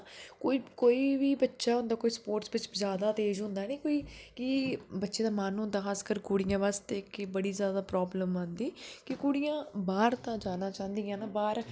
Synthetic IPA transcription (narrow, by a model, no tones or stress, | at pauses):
koːiːkoːiːʋiːbətːʃaːɦʊ̃nd̪aːkoːiːspoːɾʈsbɪt͡ʃzjaːd̪aːt̪eːd͡ʒɦʊ̃nd̪aːnẽːkoːiːkiːbətːʃeːd̪aːmaːnɦʊ̃nd̪aːkʰaːskəɾkuːɽɪjãːʋaːst̪eːkːbəɽiːzjaːd̪aːpɾɔːbləmə̃ːnd̪iːkɪkuːɽɪjãːbaːɾt̪ãːd͡ʒaːnãːt͡ʃãːnd̪ijãːnaːbaːɾ